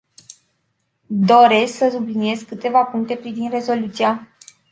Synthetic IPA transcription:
d̪o̞ɾe̞sksəsublinie̞zkɨt̪e̞vapuŋk̚t̪e̞pɾivind̪re̞zo̞lut̪sia

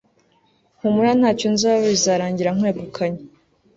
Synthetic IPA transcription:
ŋ̥umuɾan̥haːconzaːβoβizaːɾaːɲɟiɾaŋweːɡukʰaɲe

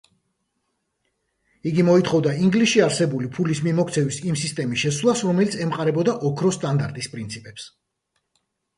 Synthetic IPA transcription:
iɡimɔit̪ʰχɔvd̪aiŋɡliʃiaɾsɛbulipʰulismimɔkʰt̪sʰɛvisimsist̪ʼɛmisʃɛswlˠasɾɔmɛlit̪sʰɛmqʼaɾɛbɔd̪aʔɔkʰɾɔst̪ʼand̪aɾt̪ʼispʼɾint̪sʰipʼɛps

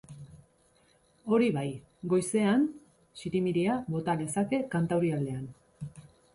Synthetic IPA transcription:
o̞ɾiβaj | ɡo̞jse̞an | siɾimiɾiaβo̞t̪ane̞sake̞kant̪awɾiald̪e̞an

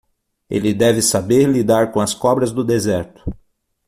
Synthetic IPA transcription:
ḛlɪd̪ɛvɪsabeɾlid̪aɾkõɐskɔbɾɐzd̪ʊd̪ezɛɾt̪ʊ̥

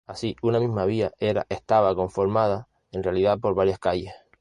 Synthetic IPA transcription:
asiunamĩɦmaβ̞iae̞ɾa̰ʔe̞ht̪aβako̞ɱfo̞ɾmaða | e̞nrealiðapo̞ɾβaɾjahkaʎeh

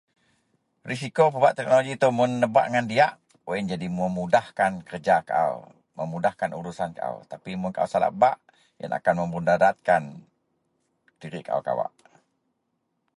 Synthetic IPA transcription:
ris̬ikopəbaʔt̪ɛk̚noloɡit̪umʊnːəba̰ʔŋandiaʔ | oind͡ʒadiməmudahkankərd͡ʒakaʔa̰w | məmudahkanʔuɾusankaʔa̰wt̪apimʊnkaʔa̰wsala̰baʔ | ja̰nʔa̰kanməmbundadat̪̚kan | d̥iɾɪʔkaʔa̰wka̰wa̰ʔ

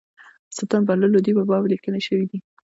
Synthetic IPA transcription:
sət̪ambaləlod̪ibabɑwlikəneʃəwid̪i

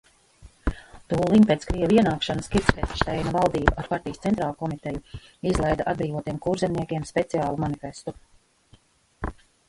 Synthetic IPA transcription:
t̪uːlˠimpʲet̪skɾijɛviɛnaːkʃanaskʲiɾt̪spɛt̪ʃt̪ɛjnavalˠd̪iːbaaɾpaɾt̪ʲijəst̪sɛnt̪ɾaːlˠkɔmit̪ejuizlˠɛjd̪aʔad̪̚bɾiːvuɔt̪ijɛmkuɾzɛmniɛkʲiɛmspʲet̪siaːlˠumanifʲest̪u

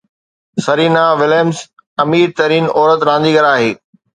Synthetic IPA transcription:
sɐɾiːnaʋɪlemz | ɐmiːɾt̪ɐɾiːnɔːɾət̪ɾãːnd̪iːɡɐɾaːɦeː

